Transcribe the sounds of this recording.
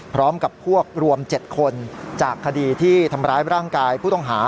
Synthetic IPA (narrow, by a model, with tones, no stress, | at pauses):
pʰɾɔː˦˥mka˨˩pʰu˥˩ək̚ɾu˧əmt͡ɕe˨˩t̪̚kʰo˧nt͡ɕaː˨˩kʰːa˧diː˧t̪ʰiː˥˩t̪ʰa˧mɾaː˦˥jɾaː˥˩ŋkaː˧jpʰuː˥˩ɔ˥˩ŋɦaː˩˦